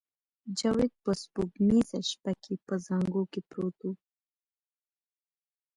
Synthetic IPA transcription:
d͡ʒawed̪̚pəspuɡmizaʃpakʰipəzaŋɡokepɾot̪u

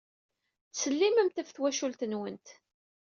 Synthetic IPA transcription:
θsəlːiməmt̪æfθwæʃult̪ənwənt̪

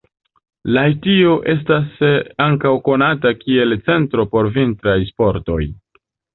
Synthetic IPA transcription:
lajtio̞ʔe̞s̬tasaŋkawko̞natakie̞lt͡se̞ntɾo̞po̞ɾvintɾajspo̞ɾto̞̰j

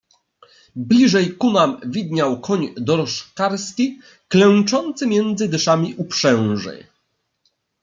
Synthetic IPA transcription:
blʲiʐɛjkunamvʲid̪ɲawkʰɔɲd̪ɔɾɔʂkaɾskʲi | klɛw̃t͡ʂɔnt̪sɘmʲjɛnd̪zɘd̪ɘʂamʲiʔupʂɛw̃ʐɛ̰

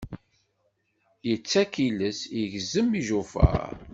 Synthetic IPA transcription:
jət͡sːækiləsjəʝzəmːiʒufə̰ɾ

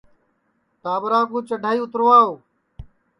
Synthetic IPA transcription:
t̪aːbɾaːkõːt͡ʃəɖʱaːiːʊt̪ɾoːaːoː

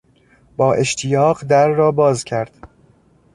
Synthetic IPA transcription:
b̥ɒːʔe̞ʃt̪ʰijɒːɢd̪æɾːɒːbɒːzcʰæɾd̪̥

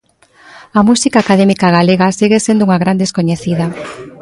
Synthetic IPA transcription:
ɐmusikaːkaðɛmikaɣaleɣasiɣesend̪ʊuŋaɣɾand̪eskoɲeθiðɐ

